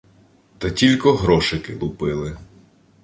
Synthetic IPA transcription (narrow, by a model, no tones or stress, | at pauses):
t̪ɐtʲilʲkɔɦɾɔʃɪkɪlˠʊpɪlˠɪ